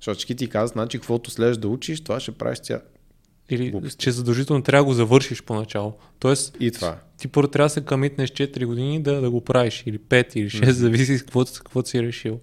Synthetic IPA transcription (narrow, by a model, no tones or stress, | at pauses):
ʃɔt̪t͡ʃkit̪ikazət̪nat͡ʃikvɔt̪ʊslɛʒd̪ɐut͡ʃiʃt̪ovaʃɛpɾa̰vɛ̰ʃt̪ʲa̰ | ilit͡ʃɛzɐd̪ɐlˠʒit̪ɛlˠnot̪ɾavəɡozɐvɤɾʃiʃponɐt͡ʃalˠo | t̪ɔɛsit̪va̰t̪ipoɾɛt̪ːɾaəsɛkɐmit̪nɛʃt͡ʃɛt̪ɾiɡod̪inid̪ɐd̪ɐɡopɾaviʃilipɛt̪iliʃɛst̪zɐvis̬iskkvɔt̪kkvɔt̪siɾɛʃilˠ